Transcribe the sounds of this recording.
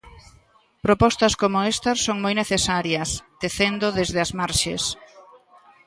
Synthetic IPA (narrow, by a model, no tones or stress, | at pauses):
pɾopɔst̪ɐskomʊest̪ɐssoŋmojneθesaɾjɐst̪eθend̪oðezðɪɐzmaɾʃḛs